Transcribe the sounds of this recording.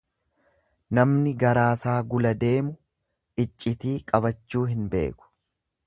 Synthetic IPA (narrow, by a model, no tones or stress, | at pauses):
nɐmnɪɡɐɾaːsaːɡʊlɐd̪e̞ːmʊ | ɪt͡ʃʼːɪt̪iːkʼɐbɐt͡ʃːuːɦɪnbe̞̰ːkʊ̥